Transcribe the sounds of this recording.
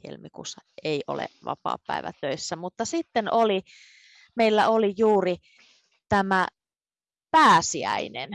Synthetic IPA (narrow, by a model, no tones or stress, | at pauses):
jḛlmikṵːsːɑeiʔo̰lḛʋɑ̰pɑ̰ːpːæ̰iʋæ̰t̪øisːæmut̪ːɑsit̪ːenoli | meilːæolijuːri | t̪æmæ | pæːsiæ̰inen